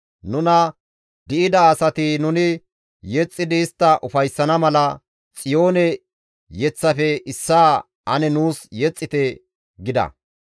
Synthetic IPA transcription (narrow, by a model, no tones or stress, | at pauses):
nʊnɐ | d̪ɪʔɪd̪ɐːsɐt̪ɪnʊnɪ | jɛt͡sʼːɪd̪ɪːst̪ːɐʔʊfɐjsːɐnɐmɐlɐ | t͡sʼɪjo̞ːnɛ | jɛt͡sːɐfɛɪsːaː | ʔɐnɛnuːsjɛt͡sʼːɪt̪ɛ | ɡɪd̪ɐ̰